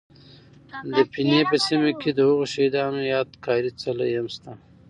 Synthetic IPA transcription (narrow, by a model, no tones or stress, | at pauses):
d̪əpinepəsimaked̪əhuɣoʃid̪ɑːnojɑːd̪kʰɑːɾit͡salajɐmst̪a